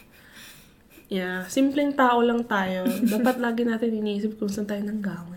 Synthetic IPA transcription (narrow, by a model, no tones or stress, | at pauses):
jasimplɛŋt̪aːʔo̞lɐŋt̪aːjo̞d̪aːpɐt̪̚laːɡɪnaːt̪ɪnʔɪniʔiːsɪp̚kʊnsant̪aːjonɐŋɡaːwɪn